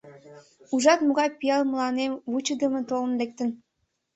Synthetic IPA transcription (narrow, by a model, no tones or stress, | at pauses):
uʒɑt̪moɣɑjpijɑlməlɑnemβut͡ɕə̆d̪əmə̆t̪olə̆nlek̚t̪ə̆n